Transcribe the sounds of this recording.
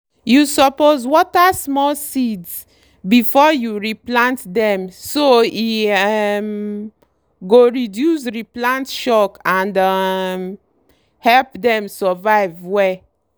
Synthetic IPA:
jusɔpozwɔtasmɔlsids | bifɔjuɹiplãntdɛ̃msoi | m | ɡoɹidjus̬ɹiplãntʃɔkãndam | hɛlpdɛ̃msɔvaɪvwɛ

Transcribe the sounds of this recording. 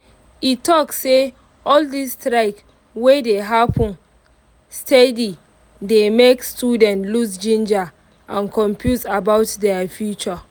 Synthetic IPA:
itːɔksse | ɔldistɹaɪk | wedeɦapʰɔ̃n | stedi | demekstudɛ̃ntlusd͡ʒĩnd͡ʒa | ʔãnkʰɔ̃mpʰjutabaʊtdɛafjut͡ʃə

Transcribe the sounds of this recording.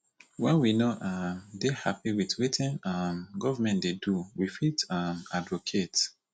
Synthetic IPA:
wɛ̃nwinoʔamdehapiwitwetĩnamɡɔvamɛ̃ntdeduwifitamadvokʰet

